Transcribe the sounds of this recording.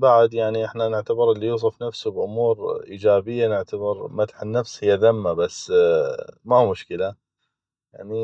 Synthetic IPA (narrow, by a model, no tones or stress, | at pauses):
baʕd̪jaʕniʔɪħnanɪʕt̪abɪɾɪlːijuːs̬ˤɨfnafsubʔʊmuːɾʔiːd͡ʒaːbɪjːanɪʕt̪abɪɾmat̪ħɪnːafshɪjːaðamːabasː | mahumʊʃkəla | jaʕni